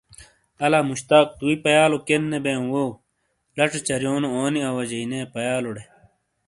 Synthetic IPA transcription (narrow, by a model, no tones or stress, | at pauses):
ɐlaːmuɕt̪aːk̚t̪uipɐjaːlokenːebẽːwoː | lɐʈ͡ʂet͡ɕɐɾjoːnooːniɐwɐd͡ʑɐineːpɐjaːloɽe